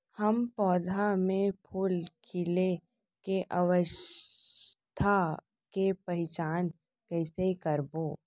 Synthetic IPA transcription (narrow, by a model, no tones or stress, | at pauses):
həmpɔːd̪ʱamẽpʰuːlkʰɪle | keʔəʋəʃ | t̪ʰa | kepəɦɪt͡ʃaːn | kɛːsekəɾboː